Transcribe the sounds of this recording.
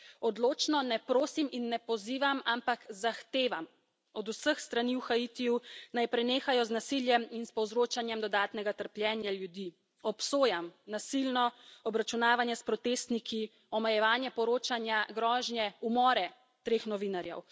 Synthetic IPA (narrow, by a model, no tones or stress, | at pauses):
ɔd̪loːt͡ʃnɔnɛpɾoːsiminːɛpɔziːʋamampakzaxt̪eːʋam | ɔd̪usəxst̪ɾaniwxait̪ijunajpɾɛneːxajɔznasiljɛminspɔwzɾoːt͡ʃanjɛmd̪ɔd̪aːt̪nɛɡat̪əɾplʲjɛːnjaljud̪i | ɔpsoːjamnasilnɔɔbɾat͡ʃunaːʋanjɛspɾɔt̪est̪nikʰi | ɔmɛjɛʋaːnjɛpɔɾoːt͡ʃanjaɡɾɔːʒnjɛumɔːɾɛ | t̪ɾeːxnɔʋinaɾjɛ̰w